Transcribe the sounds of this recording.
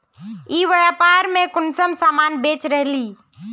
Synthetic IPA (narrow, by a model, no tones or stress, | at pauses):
iːʋəjapaːɾmẽkʊnsəmsaːmaːnbeːt͡ʃɾəɦliː